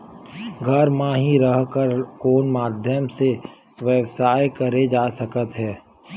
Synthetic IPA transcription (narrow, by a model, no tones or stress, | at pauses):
ɡʱɐɾmãɦiɾəɦkəɾkoːnmaːd̪ʱjəmse | ʋjəʋsaːjkəɾed͡ʒaːsəkət̪ɦɛː